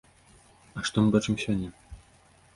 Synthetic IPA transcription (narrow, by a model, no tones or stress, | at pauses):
ɐʂt̪ɔmɨbat͡ʂɨmsʲanʲɛ